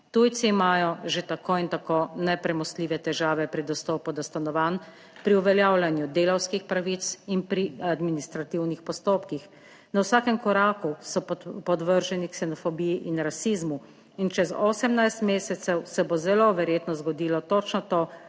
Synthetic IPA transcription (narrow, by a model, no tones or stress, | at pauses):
t̪ujt̪siːmaːjɔʒet̪akoːint̪akoːnɛpɾɛmɔst̪liːʋɛt̪ɛʒaːʋɛpɾid̪ɔst̪ɔːpud̪ast̪anɔʋaːn | pɾiuʋɛljaːwlʲanjud̪eːlawskixpɾaʋit̪sinpɾiad̪minist̪ɾat̪iwnixpɔst̪oːpkix | nawsaːkɛmkɔɾaːkusɔpɔd̪ʋəɾʒɛniksɛnɔfɔbijiʔinɾasizmu | int͡ʃɛzɔːsɛmnajst̪meːsɛt̪sɛwsɛbozɛloʋɛɾjeːt̪nɔzɡɔd̪iːlɔt̪ɔt͡ʃnɔt̪oː